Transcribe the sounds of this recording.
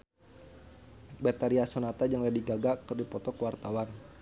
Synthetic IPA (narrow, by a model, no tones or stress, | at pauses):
bɛt̪aɾiasonat̪ad͡ʒaŋladiɡaɡakərdipɔt̪ɔkəwart̪awan